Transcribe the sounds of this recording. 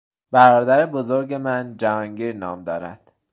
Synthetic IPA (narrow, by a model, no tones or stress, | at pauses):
b̥æɾɒːd̪æɾebozo̞ɾɟe̞mænd͡ʒævɒːŋɟiːɾnɒːmd̪ɒːɾæ̰d̪̥